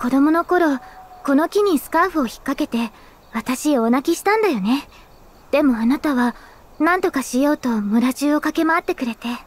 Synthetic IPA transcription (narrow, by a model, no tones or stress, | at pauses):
ko̞d̪o̞mo̞no̞ko̞ɾo̞ko̞no̞kʲiɲ̟isɨ̥kaɸɯ̟o̞çi̥kːake̞t̪e̞ | βat̪aɕioonakʲiɕi̥t̪ãnd̪ajo̞ne̞ | d̪̥e̞mo̞anat̪aβa | nãnt̪o̞kaɕijo̞ːt̪o̞mɯ̟ɾaʑɨːo̞kake̞maat̪ːe̞kɯ̟ɾe̞t̪e̞